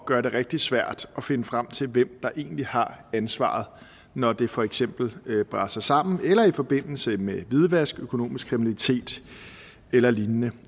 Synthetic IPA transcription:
ɡ̥ɶɐɾe̝ʁeɡ̥̚d̥i̥sʋæɐ̰d̥ɒ̽fe̝nəfʁam̰t͡sʰe̝lʋem̰d̥ɑ̈ʔe̝̰ːn̩lihɑ̈ænsʋɑ̰̈ːð̞̩ˠ | nɒd̥e̝fɒ̽eɡ̥sem̰b̥l̩b̥ʁäsɑsɑ̈m̰n̩elɐifɒ̽b̥e̝n̰l̩səmeʋið̞ˠʋæsɡ̥økʰo̝no̝̰ːmisɡ̥kʰʁiminælit͡sʰe̝̰ːd̥ | elɐlinnə

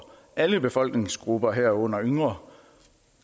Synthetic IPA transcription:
ʔæləb̥e̝fɒ̽l̰ɡ̥ne̝ŋsɡ̥ʁub̥ɐɦæɐ̰ɔ̽n̰ɐøŋʁɐ

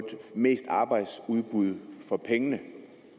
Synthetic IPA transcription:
d̥me̝̰ːsd̥ɑ̈ːb̥ɑ̈ɪd̥suð̞ˠb̥uð̞ˠfɒ̽pʰeŋənə

